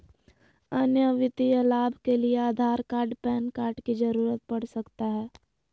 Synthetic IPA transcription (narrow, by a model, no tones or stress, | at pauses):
ɐnjəʋɪt̪ijəlaːbʱkelieaːd̪ʱaːɾkaːɾɖpɛːnkaːɾɖkid͡ʒɐɾuːɾət̪̚pɐɽ̤sɐkt̪aɦɛː